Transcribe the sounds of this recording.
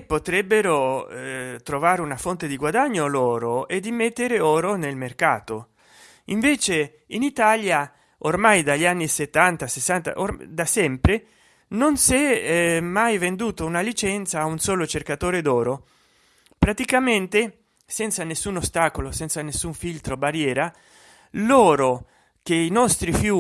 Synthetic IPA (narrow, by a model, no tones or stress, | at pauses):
pot̪ɾɛbːeɾo | t̪ɾovaːɾeunafont̪ed̪iɡwad̪aɲːoloːɾoed̪ːimet̪ːeɾeoːɾonelmerka̰ːt̪o | iɱveːt͡ʃe | init̪alja | ormajd̪aʎːianːiset̪ːant̪asesːant̪a̰ʔod̪asɛmpɾe | nonsɛmajvend̪uːt̪ounalit͡ʃɛnt̪saːunsɔːlot͡ʃerkat̪oːɾed̪ɔːɾo | pɾat̪ikament̪e | sɛnt̪sanesːunost̪aːkolosɛnt̪sanesːuɱfilt̪ɾobaɾjɛːɾa | lɔːɾo | k̟einɔst̪ɾifjuː